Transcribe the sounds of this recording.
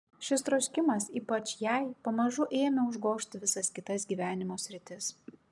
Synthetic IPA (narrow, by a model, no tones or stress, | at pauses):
ʃʲɪst̪ɾɔsʲkʲɪmɐsiːpɐt͡ʃjɛˑɪpɐmɐʒʊʔeːmʲɛʊʒɡoːʃʲt̪ʲʋʲɪsɐskʲɪt̪ɐsɡʲiːʋʲæːnʲɪmoːsʲɾʲɪt̪ʲɪs